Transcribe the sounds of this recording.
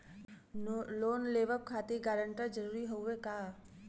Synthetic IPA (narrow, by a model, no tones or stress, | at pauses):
loːnleːʋəp̚kʰaːt̪eɡaːɾə̃ɳʈad͡ʒəɾuːɾiɦoekaː